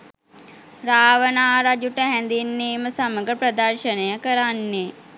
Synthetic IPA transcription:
raːʋənaːɾad͡ʒuʈəɦænd̪inːiːməsaməɡəpɾəd̪ərʃənəjəkəɾanːe

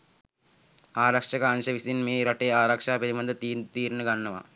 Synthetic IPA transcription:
aːɾɐkʂɐkaːnʃɐʋisinmeːɾɐʈːeːaːɾɐkʂaːpɐɾimɐnd̪ɐt̪it̪iːɾnɐɡɐɳːɐʋɐ̰

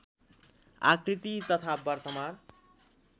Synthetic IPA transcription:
a̰kɾit̪it̪ɔt̪ʰabbʌɾt̪amaɾ

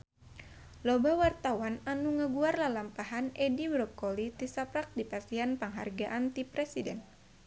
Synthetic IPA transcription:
lobawart̪awananuŋəɡuarlahlampaɦanʔɛdibɾɔkːolit̪isapɾak̚dipasianpaŋɦarɡaʔant̪ipɾɛsidɛn

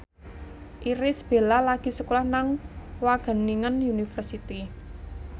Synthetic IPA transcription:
ʔiɾɪsb̥e̤lalaɡ̥i̤səkulahnaŋwaɡ̥ə̤niŋənunifərsit̪i

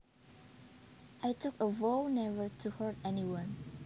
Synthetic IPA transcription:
ʔajtʰʊkəvoʊnɛvə˞tʰuhəɹtɛniwãn

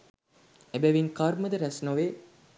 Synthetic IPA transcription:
ebæʋiŋkaɾməd̪əɾæsnoʋe

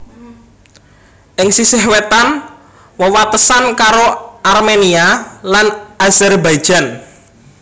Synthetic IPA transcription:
ʔɪŋsisɪɦwet̪an | wəwat̪əsankaɾoʔarmenialanazɛrbaj̥ʒ̥a̤n

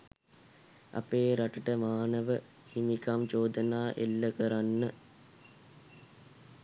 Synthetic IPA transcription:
a̰peːɾaʈəʈəmaːnəʋə | himikamt͡ʃoːd̪ənaːʔelːəkəɾanːə

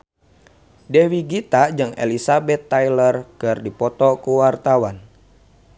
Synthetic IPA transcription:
dɛwiɡit̪ad͡ʒɨŋḛlisabɛt̪ːajlərkɨrdipɔt̪ɔkuwart̪awan

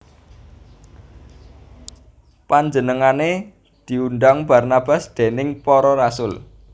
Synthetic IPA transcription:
paɲd͡ʒənəŋane | d̪̥i̤unɖaŋb̥a̤rnab̥a̤sd̪̥e̤nɪŋpɔɾɔɾasʊl

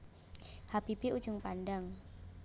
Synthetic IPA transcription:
hapibiʔu̥d͡ʒʊŋpandaŋ

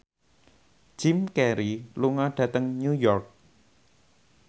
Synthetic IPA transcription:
d͡ʒ̥ɪmkɛɾiluŋaɖ̥ä̤t̪əŋɲujɔrk̚

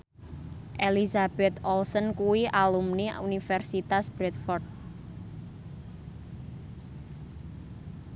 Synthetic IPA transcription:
ʔelizab̥ɛt̪ɔlsənkuwiʔalumniunifɛrsit̪asb̥ɾɛt̪̚fɔrd̪̚

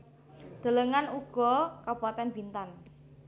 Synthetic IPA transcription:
d̪̥ə̤ləŋanuɡ̥ɔ̤kab̥at̪ɛnb̥int̪an

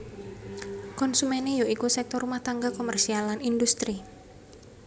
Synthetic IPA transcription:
kɔnsumɛnejoikusɛk̚t̪ɔrumaht̪aŋɡakomɛrsialanindust̪ɾi

